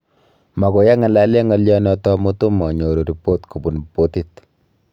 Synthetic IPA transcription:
ma˨ko˨ja˦ŋa˨la˦le˦ŋa˦ljɔ˦nɔ˦tɔ˦mu˦tu˦mɔ˨ɲo˨ɾo˨ɾi˨po˦tku˨bu˨npo˦ti˦t

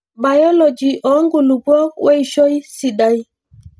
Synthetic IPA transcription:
ba˨jɔ˦lɔ˨d͡ʒi˨ʔɔ˨˦ŋɡu˨lu˨bwɔ˦k̚we˦i˦ʃɔ˦jsi˨ɗa˨˦j

